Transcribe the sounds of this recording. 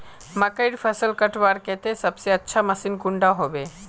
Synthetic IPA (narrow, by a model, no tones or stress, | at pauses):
mɐkəɪɽpʰəsəlkəʈʋaːɾket̪esɐbseətːʃʰamɐsinkʊɳɖaɦobe